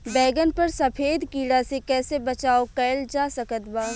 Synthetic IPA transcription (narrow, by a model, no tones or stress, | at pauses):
bɛːɡənpɐɾsɐpʰeːd̪kiːɽasekɛːsebɐt͡ʃaːokɛːld͡ʒaːsɐkət̪baː